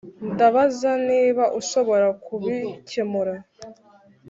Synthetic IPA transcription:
ndaβazaniːβaʔuʃo̞βo̞ɾakuβicemuɾa

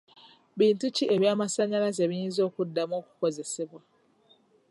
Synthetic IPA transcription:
βiːntuciʔe̞βjaːmasaɲalazeβijiːnzo̞ːkudːamo̞ːku̥ko̞ze̞se̞βwa

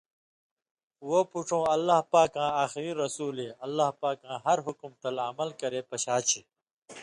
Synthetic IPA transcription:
woːpuʈ͡ʂʰõːɐlːaːɦpaːkãːaːxiɾiɾɐsuːleːɐlːaːɦpaːkãːɦɐɾɦʊkmt̪ɐlɐmɐlkɐɾeːpɐɕaːt͡ɕʰiː

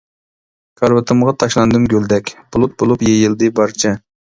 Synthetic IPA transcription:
kʰɑɾvɨt̪ʰɨmʁɑt̪ʰɑʃlˠɑnd̪ɨmɡʲøld̪ɛkʲb̥ʊlˠut̪̚bolˠupjejɪld̪ɨbɑɾt͡ʃʰɛ

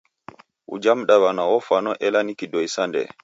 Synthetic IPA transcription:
ʔṵd͡ʒamɗawanaɔfanɔʔɛlanikidɔjsandɛ̰

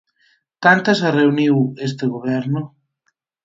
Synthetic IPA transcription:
kant̪asareuniwest̪eɣoβɛɾno

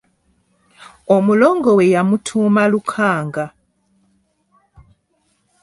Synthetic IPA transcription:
omuloŋɡowejamutʰumalukʰaːŋɡa

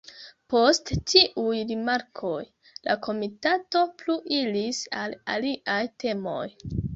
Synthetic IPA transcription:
po̞sttiʔujɾimaɾkʰo̞j | la̰kʰo̞mitato̞pluʔilisala̰liʔajte̞mo̞̰j

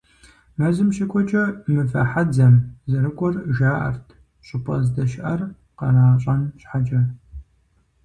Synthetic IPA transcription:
mɐzɨmɕɪkʷʰʼɔt͡ʃʼɐmɨfɐ̰ħad͡zɐmzɐɾɨkʷʼɔrʒaːʔɐ̰rtʰ | ɕʼʊpʰʼɐzdɐʃʔɐr | qɐnaːɕʼɐnɕħad͡ʒʼɐ

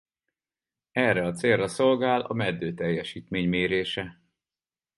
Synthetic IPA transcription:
ɛrːɛɒt̪seːrːɒso̞lɡaːlɒ̰mɛd̪ːøːt̪ɛjːɛʃiːt̪meːɲmeːɾeːʃɛ

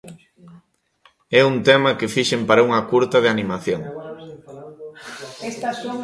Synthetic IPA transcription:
ɛunt̪ɛmɐkɪfiʃempaɾɐuŋɐkuɾt̪ɐðɪanimaθjoŋ | est̪ɐ

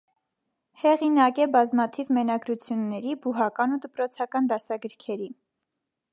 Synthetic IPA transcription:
hɛʁinɑkɛbɑzmɑt̪ʰivmɛnɑɡɾut͡sʰjunːɛɾibuɦɑkɑnud̪əpɾɔt͡sʰɑkɑnd̪ɑsɑɡəɾkʰɛɾi

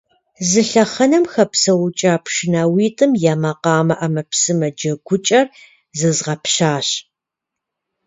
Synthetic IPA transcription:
zɨɬɐχɐnɐmxɐpsɐwʊt͡ʃʼaːpʰʂɪnawiːtʼɨmjaːmɐqɑːmɐʔamɐpsɨmɐd͡ʒɐɡʷʊt͡ʃʼɐr | zɨzʁɐpɕaːɕ

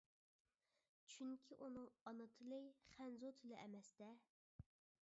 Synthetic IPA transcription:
t͡ʃʰyŋkʲʰiʔunɨŋɑnɨt̪ʰɨlˠɨjχænzot̪ʰɨlɪʔɛmɛst̪ɛ

